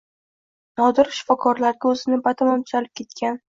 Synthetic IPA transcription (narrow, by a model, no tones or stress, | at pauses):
nɒd̪ɪɾʃɪ̥fɒkʰɒɾlaɾɡʲaɵzɪnɪbat̪ʰɪmɒmt̪ʰʊ̥zalɪp̚kʲʰe̞t̪̚kʲan